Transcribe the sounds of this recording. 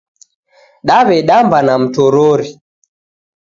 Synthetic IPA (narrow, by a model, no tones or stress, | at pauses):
ɗaβɛɗambanam̩tɔɾɔɾi